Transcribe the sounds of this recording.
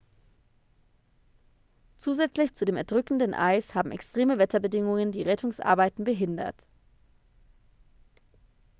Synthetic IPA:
t͡suːzɛt͡slɪçt͡sudeːmɛɐdʁʏkn̩dənʔa̰ɪshaːbm̩ɛ̰kstʁ̥eːməvɛtɐbədɪŋʊŋəndiːʁɛtʰʊŋsʔa̰ɐbaɪtn̩bəɦɪndɐ̰t

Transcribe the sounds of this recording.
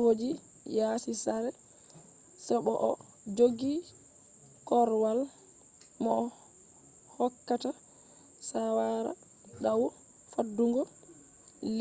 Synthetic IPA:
wod͡ʒi | jaːsisaɾɛ | sɔɓɔʔɔ | d͡ʒoɡi | kɔɾwal | mɔ | hɔkːata | sawaɾa̰ | ɗawɔ | fadːuŋɡɔ | l

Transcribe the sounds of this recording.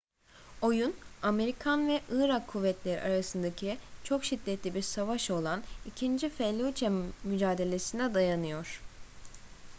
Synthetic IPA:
o̞juname̞ɾikʰanvɛʔɯːɾakʰːuvːɛt̪lʲeɾḭʔaɾasɯnd̪acʰit͡ʃʰo̞kʃid̪ːɛt̪ʰlʲibiɾsavaʃo̞lˠanicʰind͡ʒifɛlʲːut͡ʃʰɛmmyd͡ʒaːd̪e̞lʲesinɛd̪ajanɯjo̞ɾ̥

